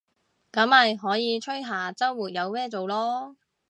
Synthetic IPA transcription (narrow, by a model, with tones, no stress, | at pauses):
kɐ˨˥mɐ˨jɦɔː˨˥jiː˨˧t͡ʃʰɵ˥jɦaː˨˩t͡sɐ˥wːuː˨t̚jɐ˨˧wmɛː˥t͡so˨wlɔː˥